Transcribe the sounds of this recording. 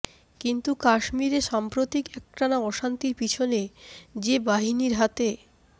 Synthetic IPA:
kint̪ukaʃmiɾeʃampɾot̪ikɛk̚ʈanaɔʃant̪iɾpit͡ɕʰoned͡ʑebaɦiniɾɦat̪e

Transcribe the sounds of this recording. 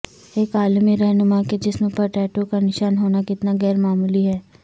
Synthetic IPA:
eːkaːlmiɾɛɦnʊmaked͡ʒɪsmẽpɐɾʈɛːʈokanɪʃaːnɦoːnakɪt̪naɡɛːɾmaːmuliɦɛː

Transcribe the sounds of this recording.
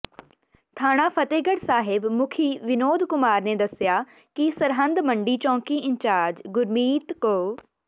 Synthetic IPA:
t̪ʰaːɽ̃aːpʰət̪eːɡəɽsaːɦɪbmʊkʰiːʋɪnoːd̪kʊmaːɾneːd̪əsjaː | kisəɾɦə̃nd̪məɳɖiːt͡ʃɔ̃ːŋkiːɪɲt͡ʃaːɾd͡ʒɡʊɾmiːt̪koː

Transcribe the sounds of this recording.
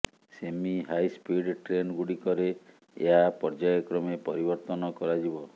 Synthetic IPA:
semiɦajspiɖʈɾenɡuɽikɔɾe | ḛɦapɔɾd͡ʒajɔkɾɔmepɔɾibɔɾt̪ɔnɔkɔɾad͡ʒibɔ

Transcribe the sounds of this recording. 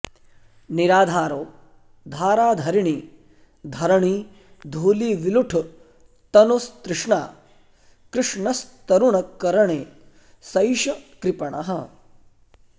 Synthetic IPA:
niɾaːd̪ʱaːɾoː | d̪ʱaːɾaːd̪ʱɐɾiɳiː | d̪ʱɐɾɐɳiː | d̪ʱuːliːʋiluʈʰ | t̪ɐnosk̪ɾɪʂɳa̰ː | kɾɪʂɳɐst̪ɐɾuɳɐkːɐɾɐɳeː | sɐjʃɐkɾipɐɳɐ̰ɦɐ

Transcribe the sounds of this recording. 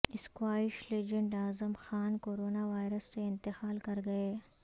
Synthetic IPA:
ɪskwaːɪʃleːd͡ʒə̃ɳɖaːzəmxaːnkoːɾoːnaʋaːɪɾəsːeɪ̃nt̪ɪxaːlkɐɾɡɐeː

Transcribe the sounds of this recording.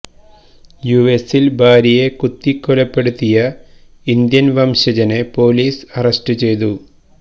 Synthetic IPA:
juʋesilbʱaːɾijekut̪ːikːolɐpːe̞ɽut̪ːijɐ | ind̪jɐnʋɐmɕɐd͡ʑɐnepo̞ːliːsɐrɐsʈɨt͡ɕe̞jt̪u

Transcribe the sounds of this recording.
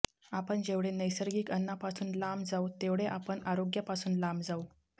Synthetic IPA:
apəɳd͡ʑeʋɽenəjsəɾɡiːkənːapasuːnlamd͡zaut̪eʋɽeʔapəɳaɾoɡjapasuːnlambd͡zau

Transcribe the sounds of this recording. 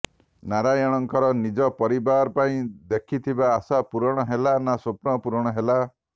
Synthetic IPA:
naɾajɔɽ̃ɔŋkɔɾɔnid͡ʒɔpɔɾibaɾɔpaĩd̪ekʰit̪ʰibaːsapuɾɔɽ̃ɔɦelanasopnɔpuɾɔɽ̃ɔɦela

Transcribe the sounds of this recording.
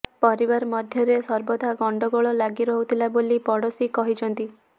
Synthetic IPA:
pɔɾibaɾmɔd̪ʱjɔɾesɔɾbɔd̪ʱaɡɔɳɖɔɡɔɭɔlaɡiɾɔɦut̪ʰilabolipɔɽɔsikɔɦid͡ʒʰɔnt̪i

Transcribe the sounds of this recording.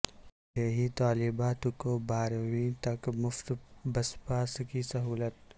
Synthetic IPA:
jeɦit̪aːlɪbaːt̪kobaːɾwit̪ɐkmʊft̪bɐspaːskisɐɦuːlət̪

